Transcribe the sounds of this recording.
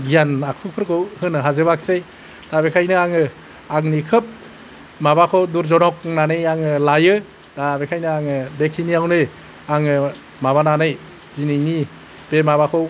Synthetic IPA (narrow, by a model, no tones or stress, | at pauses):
ɡijanakʰupʰɯɾkʰɯwhɯnɯɦazebak̚sej | d̥abekʰajnɯaŋɯ | aŋnikʰɯp̚ | mabakʰɔwduɾzɔnɔk̚nanɯjaŋɯlajɯ | d̥abekʰajnɯaŋɯbekʰiniawnɯj | aŋɯ | maβananɯj | zinijni | b̥emabakʰo